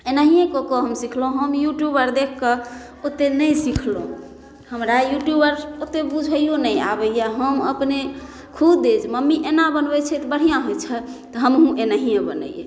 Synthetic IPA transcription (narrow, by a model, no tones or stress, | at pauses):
enaɦijẽkɔkoɦəmsikʰlũɦəmjuʈjubəɾd̪ekʰkə | ot̪enəjsikʰlɦũ | həmɾajuʈjubəɾot̪ebud͡ʒʱəjjonəja̰bəjaɦəməpne | kʰud̪ed͡ʒməmːiʔenabənbɛt͡ʃʰɛt̪ɔbəɽ̤ijãɦojt͡ʃʰɛt̪ɔɦəmɦũʔenaɦijẽbənə̰jjḛ